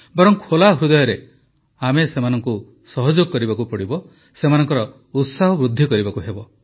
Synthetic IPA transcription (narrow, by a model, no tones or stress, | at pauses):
bɔɾɔŋkʰolaɦɾud̪ɔjɔɾe | amesemanɔŋku | sɔɦɔd͡ʒoɡkːɔɾibakupɔɽibɔ | semanɔŋkɔɾɔ | ut̪saɦɔbɾud̪ʱːikɔɾibakuɦebɔ